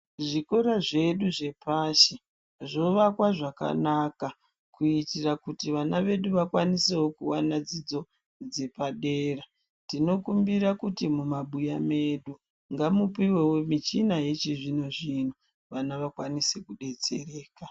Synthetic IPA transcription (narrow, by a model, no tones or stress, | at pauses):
ʐiko̞ɾaʐe̞ɗuʐe̞paʃe | ʐo̞ʋakwaʐaka̰naka | kuitirakutiʋanaʋe̞ɗuʋakwanisewo̞kuwanad͡zid͡zo̞ | d͡ze̞paɗe̞ːra | tino̞kumbiɾakutimumaɓujame̞ɗu | ŋɡamupiwe̞womit͡ʃinajet͡ʃiʐinoʐino | ʋanaʋakwanise̞kuɗe̞t͡se̞̰re̞ːka